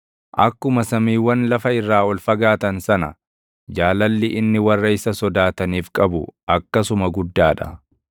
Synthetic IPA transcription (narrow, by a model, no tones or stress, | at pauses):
ʔɐ̰kːʊmɐsɐmiːwːɐnlɐfɐɪrːaːɔlfɐɡaːt̪ɐnsɐnɐ̰ | d͡ʒaːlɐlːɪʔɪnːɪwɐrːɐɪsɐsɔd̪aːt̪ɐniːfkʼɐbʊʔɐkːɐsʊmɐɡʊd̪ːaːᶑɐ̰